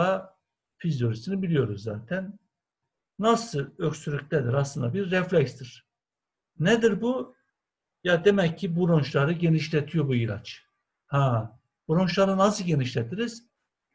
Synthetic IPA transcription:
a | fizjo̞ɾisinibilʲijo̞ɾuzːa̰ːt̪ʰæn | asɯøksyɾʲycʲt̪ʰɛd̪iɾaslˠɯnd̪abiɾːɛflʲɛcst̪iɾ̥ | nɛd̪iɾbu | jad̪emɛcʰːibuɾont͡ʃlˠaɾɯɟe̞niʃlʲet̪ʰijo̞ɾbuila̰t͡ʃ | ha | buɾo̞nt͡ʃlˠaɾɯnasɯɟe̞niʃlʲet̪ʰiɾiz̥

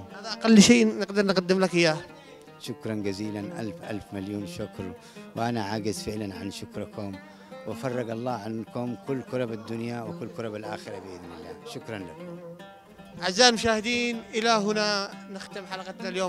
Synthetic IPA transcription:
ʔalʔaqalːʃiːnɪqd̪ɑɾˤnɪqad̪ːɪmlakjaː | ʃʊkɾˤɑnd͡ʒaziːlanʔa̰lfʔa̰lfmaljuːnʃʊkɾ | wɪʔanaʕaːɡɪzfɪʕlanʕa̰nʃʊkɾˤɪkʊm | wafɑrˤːɑɡɑlˤːɑːʕankʊmkʊlːkʊɾˤɑbad̪ːʊnjawɪkʊlːkʊɾˤɑbalʔa̰ːxɪɾˤɑbɪʔɪðmɪlːa̰ːʃʊkɾˤɑnlak | ʕazːaːnmʊʃ̬aːhɪd̪iːnʔɪlaɦʊnanɪxt̪ɪmħalaqat̪naljoːm

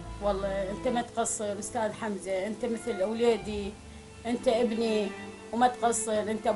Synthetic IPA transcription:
wɑlˤːɑʔɪnt̪amat̪qɑsˤːɨɾʔʊst̪aːðħamzaʔɪnt̪amɪθlʔawleːd̪i | ʔɪnt̪aʔɪbni | wmat̪qɑsˤːɨɾʔɪnt̪a

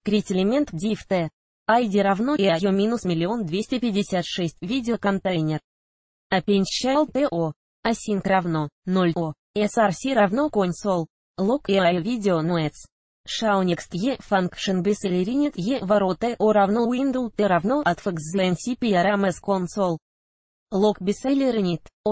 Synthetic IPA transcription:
kɾʲitʲɪlʲɪmʲent̪dʲift̪ɛ | ajdʲiɾavnojajomʲinusmʲɪlʲɪo̞nd̪vʲesʲtʲɪpʲɪdʲɪsʲat̪ʂɛsʲtʲvʲidʲɪokɐnt̪ɛjnʲɪr | ɐpʲenʲt͡ɕʃalˠt̪ɛʔo | asʲink̪ravnonolʲo | ɛsarsʲiɾavnokonsolˠ | lˠokeajovʲidʲɪonoɛt̪s | ʂaʊnʲikst̪jefankʂɨnbʲɪselʲɪɾʲinʲit̪jevaɾot̪əʔoɾavnoind̪ulˠt̪eɾavnoʔat̪fəkzzɨɛnsʲipʲijaɾamɛskonsolˠ | lˠokbʲɪsɛlʲeɾɨnʲit̪o

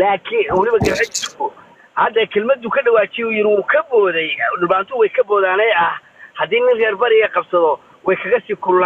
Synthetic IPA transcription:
laːkʰɪnwʊlɪβɐɡɐɾħɛt͡ʃɪɾkʰʊ | hɐd̪ɐkʰɛlmɐd̪ʊkʰɐɖɐwaːt͡ʃijujɪɾɪwuːkʰɐbɔːðɛjɖɪlbaːnt̪ʰʊwɛjkʰɐbɔːðaːnɛːɐh | hɐd̪iːnɪnrɛːrbɐɾɪɣɐqɑbsɐðɔ | wɛjkʰɐɣɐsiːkʰʊllaː

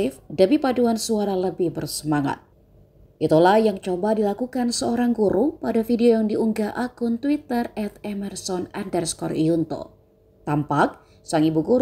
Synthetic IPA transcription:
ɪfdəmipaduansuaɾaləbɪhbərsəmaŋa̰t̪̚ | ʔit̪ulahjaŋt͡ʃobadilakukansəoɾaŋɡuɾupadafideojaŋdiuŋɡaʔakʊnt̪wit̪ərɛt̪̚ɛmɛrsɔnandərskɔrijunt̪o̰ | t̪ampak̚ | saŋibuɡuɾ

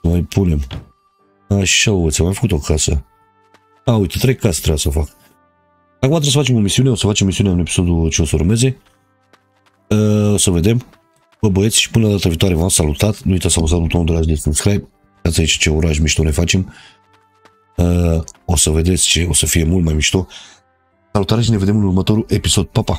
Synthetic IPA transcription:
əmajpʰune̞m | aʃaovət̪sʲamajfə̥kut̪okʰasə | aujt̪et̪ɾejkasə̥t̪ɾebjsəofak | akumat̪ɾesəfat͡ʃe̞mo̞misiuneo̞səfat͡ʃemːisiuneaunepi̥so̞d̪ut͡ʃeo̞səuɾmeze̞ | əosəve̞d̪e̞m | pəbəet̪sʃi̥pɨnəd̪at̪əvit̪oaɾevamsalut̪at̪nuijt̪əsamusat̪put̪ond̪uɾaʒd̪esɨnskɾajp̚ | kat̪sait͡ʃḁt͡ʃeuɾaʒmiʃt̪onefat͡ʃem | əosəved̪et̪sʲt͡ʃeosəfiemult̪majmiʃt̪o | salut̪aɾeʃineved̪emɨnuɾmət̪o̞ɾuʔepisod̪̚papa

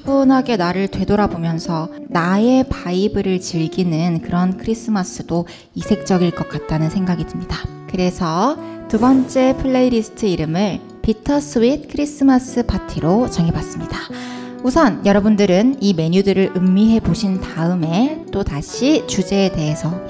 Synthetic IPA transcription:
punɦaɡe̞naɾɯɭtwe̞doɾabomjʌnsʰʌnae̞paibɯɾɯɭt͡ɕiɭɡinɯnkɯɾʌnkʰɯɾis͈ʰɯmas͈ɯdo | isʰe̞ŋ̚t͡ɕ͈ʌɡiɭk͈ʌk͈at̚t͈anɯnsʰe̞ŋɡaɡidɯmɲida | kɯɾe̞sʰʌtubʌnt͡ɕ͈e̞pʰɯɭːeiɾisʰɯ̥tʰɯiɾɯmɯɭ | pitʰʌsʰɯit̚kʰɯɾis͈ɯmas͈ɯpʰatʰiɾot͡ɕʌŋebas͈ɯmɲida | usʰʌnjʌɾʌbundɯɾɯnime̞ɲudɯɾɯɭʔɯmːiɦe̞boɕʰintaɯme̞t͈otaɕʰit͡ɕud͡ʑe̞ːde̞ɦe̞sʰʌ

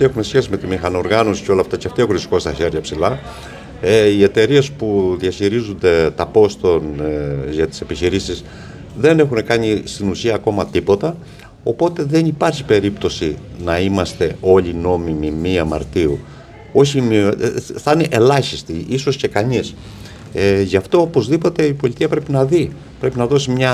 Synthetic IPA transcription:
exume̞sçe̞sime̞t̪imixɐnoɾɣɐnosi̥ceo̞lɐːft̪ɐceft̪iexunsi̥ko̞st̪ɐçeɾʝɐpsilɐ | eie̞t̪e̞ɾie̞spuðiɐçiɾizund̪e̞t̪ɐpo̞st̪o̞nʝɐt̪i̥se̞piçiɾisis | ðe̞ne̞xune̞kɐɲist̪inusiɐːko̞mɐt̪ipo̞t̪ɐ | o̞po̞t̪e̞ðe̞nipɐɾçi̥pe̞ɾipt̪o̞sinɐimɐst̪e̞o̞ʎino̞mimimiɐmɐ̰ɾt̪iṵ | o̞çimiθɐneʔelɐçist̪iʔiso̞sce̞kɐɲis | eʝɐft̪o̞opo̞zðipo̞t̪e̞ipo̞lʲit̪iɐpɾe̞pinɐði | pɾe̞pinɐðo̞simɲɐ

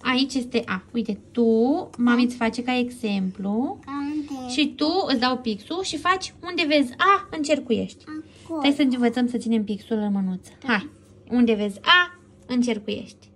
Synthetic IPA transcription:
ait͡ʃje̞st̪e̞ʔaujt̪e̞t̪umamit̪sʲfat͡ʃe̞kae̞ɡse̞mplu | ʃit̪uɨsd̪awpiksuʃifat͡ʃʲund̪e̞ve̞zʲaɨnt͡ʃe̞rkuje̞̰ʃt̪ʲ | ejsəɨɨnvət̪səmsət̪sine̞mpiksulɨnmənut̪sə̥haj | und̪e̞ve̞zʲa | ɨnt͡ʃe̞rkuje̞̰ʃt̪ʲ

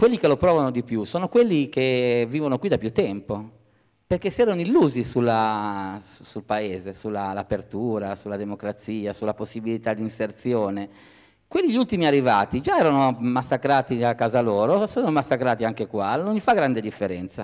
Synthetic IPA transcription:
kwelːikelopɾɔːvanod̪ipjusɔːnokwelːikeviːvonokwid̪apjut̪ːɛmpo | perkesiɛːɾonoilːuːzisula | usulpaeːzesulːalapert̪uːɾasulːad̪emokɾat̪siːasulːaposːibilit̪ad̪insert̪sjɔːne | kwelːiʎult̪imiarːivaːt̪id͡ʒaɛːɾanomasːakɾaːt̪iakːaːzalɔːɾosɔːnomasːakɾaːt̪iaŋkekwanonʎifaɡɾand̪ed̪ifːeɾɛnt̪sa

